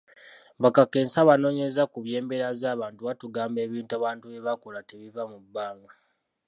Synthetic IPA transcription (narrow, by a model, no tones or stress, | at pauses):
βakake̞ːnsaβano̞ːɲezakuβje̞ːmbe̞ɾazaːβaːntuβatuɡaːmbe̞ːβiːntaβaːntueβakolateβivamubːaːŋɡa